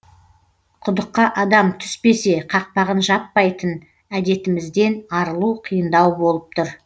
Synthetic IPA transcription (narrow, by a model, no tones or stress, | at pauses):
qʰʊd̪əqːɑʔɑd̪ɑmt̪ʰʏ̥spe̞se̞qʰɑq̚pɑʁənʒɑpːɑjt̪ən | æd̪e̞t̪ɪmɪzd̪e̞nɑɾəlˠuqʰijənd̪ɑwbo̞lˠəp̚t̪ʰʊɾ